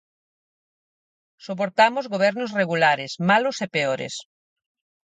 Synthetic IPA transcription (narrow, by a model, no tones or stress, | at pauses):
sop̬oɾt̪amozɣoβ̞ɛɾnosreɣulaɾɪsmalʊsepeoɾḛs